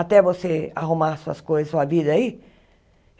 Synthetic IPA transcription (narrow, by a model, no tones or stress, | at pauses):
at̪ɛvosea̰ɦumasuɐ̰skojzɐsuɐvid̪ɐai